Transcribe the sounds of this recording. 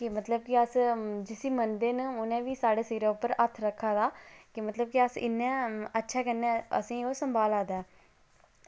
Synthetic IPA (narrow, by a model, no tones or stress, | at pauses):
kɪmət̪ləb̚kɪəsd͡ʒɪsiːmənd̪eːnʊnẽːʋiːsaːɖeːsiːɾaːʊpːəɾət̪ʰɾəkʰːaːd̪aːkɪmət̪ləb̚kɪəsɪ̰nːɛ̃ːətːʃʰaːkənːɛ̃ːə̰sĩːoːsəmbaːlaːd̪aː